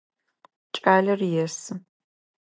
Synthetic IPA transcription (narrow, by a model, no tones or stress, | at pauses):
t͡ʃʼaːɮɐrjɛsɨ